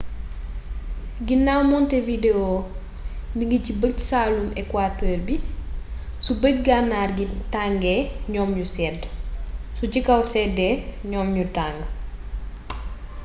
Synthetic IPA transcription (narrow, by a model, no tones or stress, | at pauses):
ɡinawmɔntɛvideo | biŋɡicibək̚saːlumɛkːwaːtəːrbi | subəc̚ɡanːaːrɡitaŋɡɛɲɔːmɲusɛːd | sucikɐwsɛdɛɲɔːmɲutaŋɡ